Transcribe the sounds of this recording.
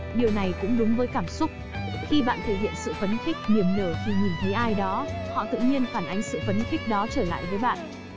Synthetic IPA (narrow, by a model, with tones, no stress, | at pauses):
ɗi˨˩əwna˨˩jkʊ̰˧˥ŋ͡mɗʊ˨˦ŋ͡mvəː˨˦jkaː˧˩msʊ˦˥k͡p̚ | xi˧ɓa̰ː˧˨nt̪ʰə˧˩hḭ˧˨ənsɨ̰˧˨fə˨˦nxɪ˦˥k̟̚ni˨˩əmnəː˧˩t̪ʰi˨˩ɲi˨˩nt̪ʰə˨˦jʔaː˧jɗɔ˨˦hɔ̰˧˨t̪ɨ̰˧˨ɲi˧ənfaː˧˩nʔa˨˦jŋ̟sɨ̰˧˨fə˨˦nxɪ̈˦˥k̟̚ɗɔ˨˦t͡ɕəː˧˩la̰ː˧˨jvəː˨˦jɓa̰ː˧˨nʔ